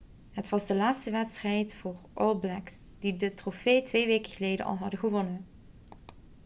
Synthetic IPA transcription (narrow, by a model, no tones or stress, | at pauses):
ɦətʋɑzdəlaːtstəʋɛtstrɛjtfʊːrʔɔlˠblɛks | d̥idətrofejtʋejʋeːkəɣəlejdə̰ʔɑ̰lˠɦɑdəɣəʋɔnən